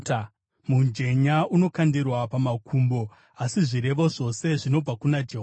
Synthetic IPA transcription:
mund͡ʒe̞ɲauno̞kandirwapamakʰumbo̞ | asiʐiɾe̞ʋoʐo̞se̞ʐino̞b͡vakunad͡ʒeɦo

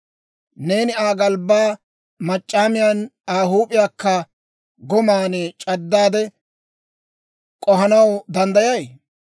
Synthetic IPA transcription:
ne̞ːnɪaːɡɐlbaː | mɐt͡ʃʼːaːmɪjanaːɦuːpʼɪjaːkːɐ | ɡɔmaːnet͡ʃʼɐd̪ːaːd̪ɛ | kʼɔɦɐnɐwd̪ɐnd̪ɐjɐj

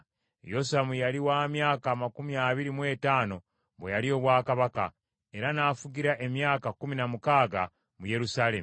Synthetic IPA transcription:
josamujaliwaːmjaːkaːmakumiaːβiɾimwe̞ːtaːno̞ | βwejaɾio̞ːβwaːkaβaka̰ | e̞ɾanaːfuɟiɾaʔe̞mjaːkakuminamukaːɡa | muje̞ɾusaːle̞m

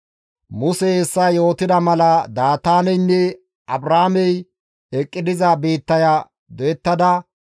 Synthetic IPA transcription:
mʊsɛɛsːɐjo̞ːt̪ɪd̪ɐmɐlɐd̪aːt̪aːnɛjnːɛ | ʔɐbɾaːmɛj | ɛkʼːɪd̪ɪzabe̞ːt̪ːɐja | d̪ɔjɛt̪ːɐd̪ɐ

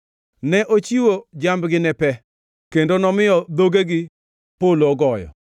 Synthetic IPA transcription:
nɛʔot͡ʃiwod͡ʒambɡɪnɛpɛ | kendonɔmɪjɔd̪oɡeɡɪ | polɔɡɔjɔ̰

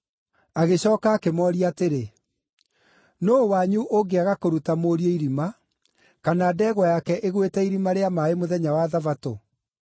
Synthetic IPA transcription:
aɣeɕɔːkaːkemɔːɾiateɾe | noːwaɲuʔoɡeaɣakoɾutamoɾieiɾima | kanaːdɛɣwajakɛʔeɣwetɛiɾimaɾeamaemoðɛɲawaðavato

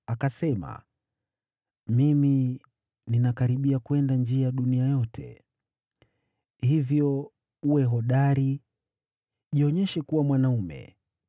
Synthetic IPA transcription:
akasɛma̰ | mimi | ninakaɾiɓiakwɛndand͡ʒiaɗuniajɔtʰɛ̰ | hivjɔ | uwɛɦɔɗaɾi | ʄiɔɲɛʃɛkuwamwanaumɛ̰

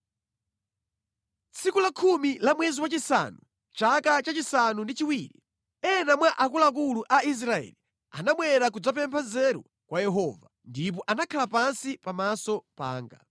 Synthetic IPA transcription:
t͡sʰikulakʰumilamwɛziwat͡ʃisa̰nu | t͡ʃakat͡ʃat͡ʃisanundit͡ʃiwiːɾḭ | ɛnamwaʔakulak̬uluʔais̬ɾaɛ̰li | a̰naɓwɛɾak̬ud͡zapɛmpʰazɛɾṵ | kwajɛɦɔːvandip̬ɔʔanakʰalapansipamasɔpa̰ːŋɡa̰

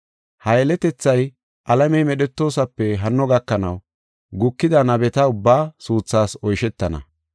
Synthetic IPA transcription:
hɐjɛlɛt̪ɛt͡sːɐj | ʔɐlɐmɛjmɛɗɛt̪ːo̞ːsɐpːɛɦɐnːɔɡɐkːɐnɐw | ɡʊkːɪd̪ɐnɐbɛt̪ɐʊbːaːsuːt͡sːaːsɔjʃɛt̪ːɐnɐ̰

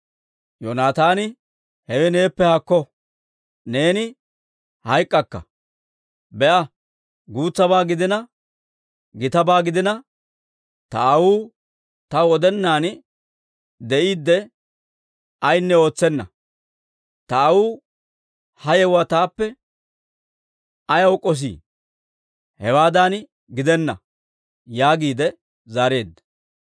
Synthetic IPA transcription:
jonaːt̪aːnɪ | hɛwɛne̞ːpːɛhɐkːɔ | ne̞ːnɪ | hɐjkʼːɐkːɐ̰ | bɛʔɐ | ɡuːt͡sːɐbaːɡɪd̪ɪnɐ | ɡɪt̪ɐbaːɡɪd̪ɪnɐ | t̪ɐʔɐwuː | t̪ɐɔd̪ɛnːaːn | d̪ɛʔiːd̪ːɛ | ɐjnːɛo̞ːt͡sːɛnːɐ̰ | t̪ɐːwuː | hɐjɛwat̪aːpːɛ | ɐjɐwkʼːɔs̬ḭː | hɛwaːd̪aːn | ɡɪd̪ɛnːɐ̰ | jaːɡiːd̪ɛ | zaːɾe̞ːd̪ːɐ̥

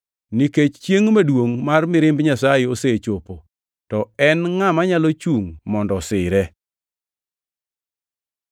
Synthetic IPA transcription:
niket͡ʃt͡ʃjeŋmedwoŋmarmɪɾɪmbɲasajeoset͡ʃopo | tɔɛnŋamaɲalot͡ʃuŋmɔndɔsɪɾɛ

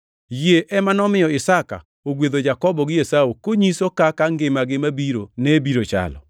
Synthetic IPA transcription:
jeʔɛmanɔmɪjɔɪsaka̰ | oɡwed̪od͡ʒakɔbɔɡɪjesawokoɲisokakaŋɡɪmaɡɪmabiɾo̰nebiɾot͡ʃa̰lɔ̰

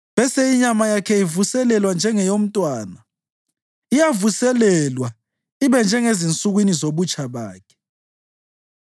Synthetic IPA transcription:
βɛsɛiɲamajakʰɛivusɛlɛlwand͡ʒʱɛŋɛjom̩tʼwaːna | ijavusɛlɛlwa | iβɛnd͡ʒʱɛŋezint͡sʼuɣwinizoβut͡ʃʼaβa̰ːkʰɛ̥

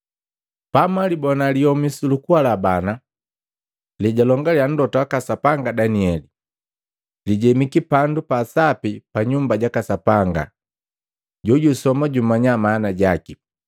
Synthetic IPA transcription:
pamalibɔnaliɔmisulukualabana | liɟalɔŋɡaljan̩dɔtaakasapaŋɡadaniɛli | liɟɛmikipandupasapipaɲumbaɟakasapaŋɡa̰ | ɟɔɟusɔmaɟumaɲamaːnaɟaki

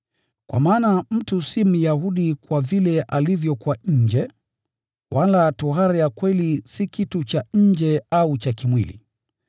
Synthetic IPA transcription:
kwa̰maːnam̩tusim̩jahuɗikwavilɛʔalivjɔkuwaɲ̩d͡ʒɛ | wʔalatuɦaɾajakwɛlisikitut͡ʃaɲ̩d͡ʒɛaut͡ʃakimwilḭ

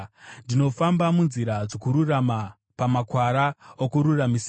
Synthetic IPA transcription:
ndino̞fambamunziɾad͡zo̞kuɾurama | pamakwaɾaokuɾuramis

